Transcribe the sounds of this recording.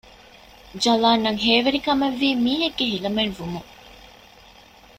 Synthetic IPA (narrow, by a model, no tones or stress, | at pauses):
d͡ʒɐlaːnːɐŋɦeːʋeɾikɐmeʋːiːmiːɦeɡːeɦilɐmenʋumu